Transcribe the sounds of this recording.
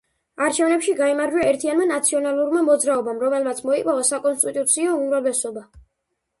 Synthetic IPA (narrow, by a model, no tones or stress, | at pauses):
aɾt͡ʃʰɛvnɛpʃiɡaimaɾd͡ʒwaɛɾt̪ʰianmanat̪sʰiɔnalˠuɾmamɔd̪zɾaɔbamɾɔmɛlmat̪sʰmɔikʼmavɔsakʼɔnst̪ʼit̪ʼut̪sʰiɔumɾavlɛsɔba